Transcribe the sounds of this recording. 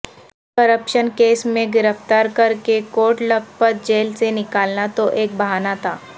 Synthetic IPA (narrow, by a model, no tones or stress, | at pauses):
kɐɾəpʃənkeːsmẽɡɪɾəft̪aːɾkɐɾkekoːʈləb̚pəɾ̚d͡ʒeːlsenɪkaːlnat̪oʔeːk̚bɐɦaːnat̪ʰaː